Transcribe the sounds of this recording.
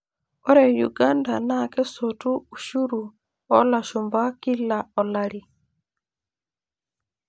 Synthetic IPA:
ɔ˦ɾɛ˨ju˨ɡa˦nda˨na˦kɛ˦sotu˦u˨ʃu˦ɾu˨ | ɔ˦la˨ʃu˨mba˦ki˦la˨ɔ˨laɾi˨

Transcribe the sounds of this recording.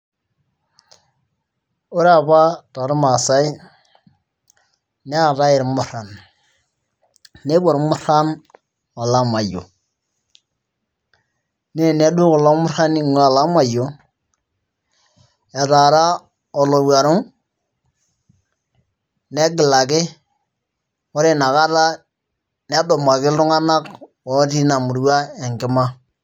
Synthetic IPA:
u˦ɾa˦˨βa˦ɾa˨ɾu˦ma˨sa˦i˦ | ne˦a˦˨ɾa˦ji˨ɾmu˦ɾa˨n | e˦ba˨ɾmu˦ɾa˦n | wa˨la˦ma˨jo̰˨ | ne˦˨ne˦du˦ɡo˨la˦mu˦ɾa˦ni˦ŋ˨a˨la˦ma˨jo˨˦ | ɛ˨ta˨ɾa˦ | ɔ˨lo˨wa˨ɾʊ˦ŋ | nɛ˦ɡɪ˨la˨kɪ˦ | wɔ˦ɾe˦na˨ka˦ta˦ | nɛ˦dɔ˨ma˨kɪ˦lʊ˦ŋa˦na˦kwɔ˨˦ti˦na˨mu˨ɾwa˦ɛ˨ŋ˨kɪ˦ma˦

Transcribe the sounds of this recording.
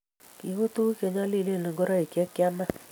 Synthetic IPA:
ki˨ɣu˦tu˦ke˨ɲa˦li˦˨le˦˨le˨ŋɡo˦ɾɔ˦i˨kjɛ˦kja˦na˦

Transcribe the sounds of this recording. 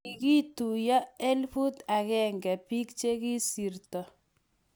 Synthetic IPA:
i˨ki˦tu˨jɔ˦e˦lfu˦ta˨kɛ˦ŋɡɛ˨pi˦k̚t͡ʃe˦ki˦si˨rtɔ˨

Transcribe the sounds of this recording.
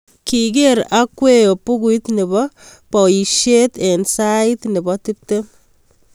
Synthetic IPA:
ki˨ɡe˦ɾa˦kwe˦jo˨pu˦ɡuit̪nɪ˨bɔ˦pɔ˨i˨ʃe˦t̪ɛ˨nsa˦i˦t̪nɪ˨bɔ˦ti˦p̚te˦

